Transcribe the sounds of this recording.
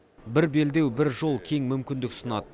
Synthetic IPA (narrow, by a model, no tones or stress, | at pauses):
bɪɾbe̞ld̪e̞wbɪɾʒo̞lˠkʲʰe̞ŋmʏmkʲɪnd̪ɪksənɑd̪ə